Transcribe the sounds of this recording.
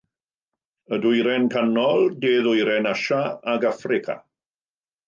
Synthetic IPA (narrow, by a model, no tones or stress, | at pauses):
ədʊjɾɛnkʰanɔlˠdeːðʊjɾɛnaʃaaɡafrɪkʰa̰